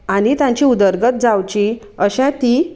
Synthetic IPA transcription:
anit̪jãɲt͡ɕiud̪əɾɡət̪̚d͡zawt͡ɕi | əɕãt̪i

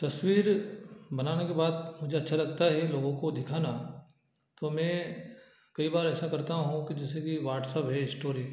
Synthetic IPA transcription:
t̪ɐsʋiːɾbɐnaːnekebaːd̪mʊd͡ʒʱeɐtːʃʰalɐɡt̪aɦɛloːɡõkod̪ɪkʰaːna | t̪oːmɛ̃ː | kɐibaːɾɛːsakɐɾt̪aɦũkid͡ʒɛːsekiʋaːʈsəpɦɛɪsʈoːɾiː

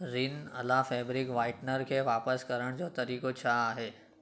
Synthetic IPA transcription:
ɾinɐ̰lafɛːbɾɪkʋaːɪʈnəɾkʰeʋaːpəskɐɾəɽ̃d͡ʑoːt̪ɐɾiːkot͡ɕʰaaːɦeː

